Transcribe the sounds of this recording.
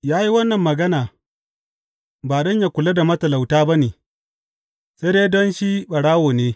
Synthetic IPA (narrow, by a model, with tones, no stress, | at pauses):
jaː˦ji˦wɐ˦nːɐ˨mːɐ˨ɡɐ˦naː˨ | baː˨ɗɔ˦ɲja˨kʷʊ˨la˦da˨mɐ˦tɐ˨la˨wtaː˦ba˦neː˨ | se˦deː˦dɔ˦nʃi˦ɓɐ˨ɽaː˦woː˨neː˦